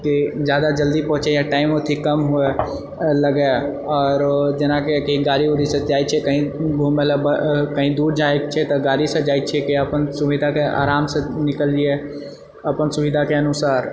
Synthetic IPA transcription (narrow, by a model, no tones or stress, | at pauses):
kid͡ʒjaːd̪ad͡ʒəld̪ipɔ̃ɦʊ̃t͡ʃɛjaʈaːɪmot̪ʰikəmɦue | ləɡe | ɔːɾd͡ʒenakekiɡaːɾioɾisẽd͡ʒaːjt͡ʃʰɛkəɦĩbʱumeləbəkəɦĩd̪uːɾd͡ʒaekt͡ʃʰɛt̪ɔɡaːɾisẽd͡ʒaːjt͡ʃʰɛkiəpənsuʋid̪ʱakea̰ːɾaːmsẽnɪkəld͡ʒie | əpənsuʋid̪ʱakeənusaːɾ